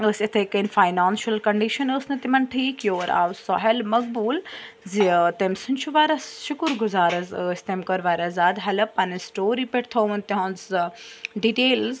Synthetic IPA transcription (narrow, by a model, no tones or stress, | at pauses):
əːsɪt̪ʰekənfaːjnaːnʃɐlkɐɳɖiːʃɐnəːsnɐt̪imɐnʈʰiːkjoːɾa̰ːwsɔɦelmɐk̚buːl | zit̪emsʊnt͡ʃʰuʋaːɾɐsʃʊkəɾɡʊzaːɾɐzəːsʲt̪emkɐɾʋaːɾazaːd̪ɦɐlɐpɐnsʈoːɾipeʈt̪ʰoːʋɐnt̪iɦõnz | ɖiːʈeːlz